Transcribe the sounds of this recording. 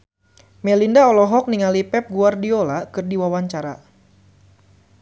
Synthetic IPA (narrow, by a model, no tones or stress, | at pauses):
mɛlindaɔlɔɦɔk̚niŋalipɛp̚ɡuardiolakɨrdiwawaɲt͡ʃaɾa